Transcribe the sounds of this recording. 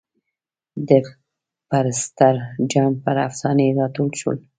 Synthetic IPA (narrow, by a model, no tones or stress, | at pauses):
d̪ə | paɾɪst̪aɾd͡ʒɑmpəɾafsɑnejɾɑt̪olʃo̰l